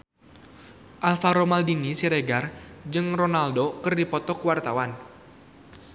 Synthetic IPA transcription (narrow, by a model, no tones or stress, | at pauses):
ʔalfaɾomaldinisiɾeɡard͡ʒɨŋronaldokɨrdipɔt̪ɔkəwart̪awan